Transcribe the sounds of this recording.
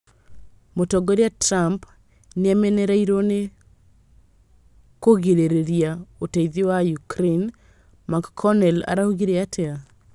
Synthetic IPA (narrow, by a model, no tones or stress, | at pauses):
motɔɡoɾjatɾamp | nɪamɛnɛɾaiɾone | koɡeɾeɾeɾiaotaiðiwajukɾen | makkʰːɔnɛla̰ɾauɡiɾeatʰɛa